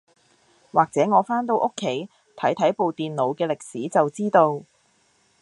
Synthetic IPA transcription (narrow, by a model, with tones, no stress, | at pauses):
waː˨k̚t͡sɛː˨˥ŋɔː˨˧faː˥nt̪̬o˧wʔo˥kʰːe˨˥j | t̪ʰɐ˨˥jt̪ʰɐ˨˥jpo˨wt̪iː˨nlo˨˧wkɛː˧lɪ˨k̚siː˨˥t͡sɐ˨wt͡siː˥t̪o˧w